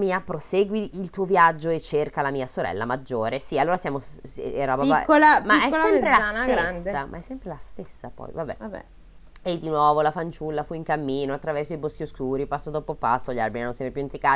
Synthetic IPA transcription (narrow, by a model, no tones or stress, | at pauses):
miːapɾoseːɡwiːlt̪uːovjad͡ʒːoet͡ʃːerkalamiːasoɾɛ̰lːa̰mad͡ʒːoːɾesialːoːɾasjaːmorɔbaakːolamaɛsolːɛmpɾelaanaɾand̪amʔa̰ɛsːɛmpɾelast̪esːapɔ̰jvabɛ̰abɛ̰ | ed̪ːinwɔːvolafant͡ʃulːafuiŋkamːiːnoat̪ːɾavɛrsoibosk̟ioskuːɾipasːod̪opopa̰sːoʎaɾbininõnsjɛmepjuint̪ɾikaː